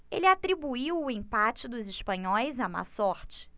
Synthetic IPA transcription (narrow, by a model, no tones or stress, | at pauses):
ḛlɪat̪ɾibuiwʊẽpat͡ʃɪd̪ʊzɪʃpɐ̃ɲɔjzɐma̰sɔɾt͡ʃɪ̥